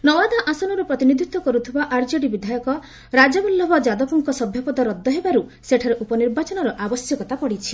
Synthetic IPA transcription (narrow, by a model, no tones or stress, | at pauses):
nɔwad̪ʱaʔasɔnɔɾupɾɔt̪inid̪ʱit̪wɔkɔɾut̪ʰibaʔaɾd͡ʒɔɽibid̪ʱajɔkɔ | ɾad͡ʒɔbulːɔbɔd͡ʒad̪ɔpɔŋkɔsɔbʱjɔpɔd̪ɔɾɔd̪ʱːɔɦebaɾuseʈʰaɾeʔupɔniɾbat͡ʃɔnɔɾɔʔabɔsjɔkɔt̪apɔɽit͡ʃʰi̥